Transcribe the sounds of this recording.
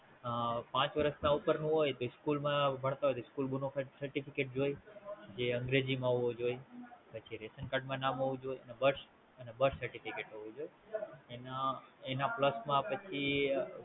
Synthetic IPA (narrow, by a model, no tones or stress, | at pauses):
pãt͡ʃʋəɾəsnãupəɾnũɦojt̪oɪskulmãbʱəɳ̃t̪aɦojt̪oskulbunokʰaʈsəɾʈipʰikeʈ̚d͡ʒojd͡ʒeə̃ŋɡɾed͡ʒimãɦoʋod͡ʒojpət͡ʃʰiɾesənkaɖmãnamɦoʋũd͡ʒojənebəɾs | ənebəɾsəɾʈifʰikeʈɦoʋũd͡ʒoj | enaenapləsmãpət͡ʃʰi